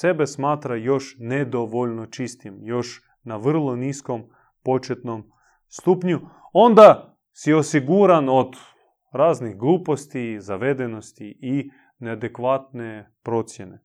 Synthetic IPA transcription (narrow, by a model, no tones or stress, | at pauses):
se̞be̞smaːt̪ɾajo̞ʃned̪oʋoʎno̞t͡ʃist̪imjo̞ʃ | naʋr̩lˠo̞nisko̞m | po̞t͡ʃet̪no̞m | st̪uːpɲuo̞nd̪a | sio̞siɡuːɾano̞d̪ | ɾaːzniɣɡlˠuːpo̞st̪izaʋe̞d̪eno̞st̪ii | nead̪ekʋaːt̪̚ne̞pɾo̞t̪sje̞ne